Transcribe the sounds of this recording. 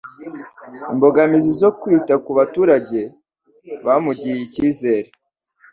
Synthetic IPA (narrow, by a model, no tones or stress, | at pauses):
imbo̞ɡamizizo̞kwiːtakuβatuːɾaɟe̞ | βamuɟijiciːze̞ːɾe